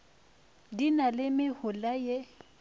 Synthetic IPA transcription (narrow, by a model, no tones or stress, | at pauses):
dinalɪmɪhʊlaje